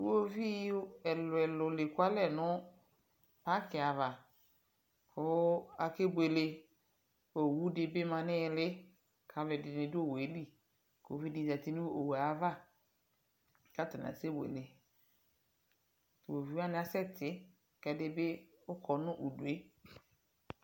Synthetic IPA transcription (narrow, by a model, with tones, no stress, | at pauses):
o˦vi˦ɛ˨lʊ˨ɛ˨lʊ˨lɪ˨kʊ˦a˦lɛ˦˨nʊ̃˦ | pa˦kɪ˨a˨va˨ | kʰʊ˦a˨ke˦bʷe˨le˨ | o˨wu˦dɪ˦bɪ˦mã˨nɪ̃˦˨lɪ˦ | kʰa˨vɛ˨dɪ˨nɪ̃˨dʊ˦o˦˨we˨˦li˦ | ko̰˨˦vi˦di˨za˨ti˦nũ˦o˨wa˨˦va˦˨ | ka˦tɪ˨n˨a̰˨se˦bʷḛ˨le˨ | wo˨vi˨wa˦nɪ̃˦a˦sɛ˦tʰɪ˨˦ | kɛ˦dɪ˦bɪ˦ | ʊ˦kʰɔ˨nʊ̃˦ʔu˨du˨e˦